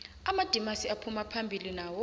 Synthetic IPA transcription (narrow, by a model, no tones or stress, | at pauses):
amad̥ʱimasiapʰumapʰambʱilinaːwɔ